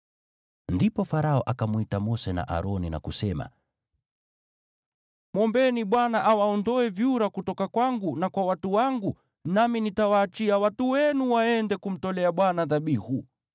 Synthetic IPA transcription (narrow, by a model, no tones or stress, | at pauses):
ndipɔfaɾaɔʔakamwitamɔsɛna̰ʔa̰ɾɔnina̰kusɛma̰ | mwɔmbɛniɓwanaʔawaɔndɔɛvjuɾakutɔkakwaŋɡunakwawatuwaŋɡu | naminitawaːt͡ʃiawatuwɛnuwaɛndɛkum̩tɔlɛaɓwanaðaɓihu